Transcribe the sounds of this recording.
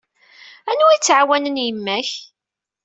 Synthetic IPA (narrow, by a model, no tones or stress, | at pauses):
ænuit͡sːʕawænənjəmːæç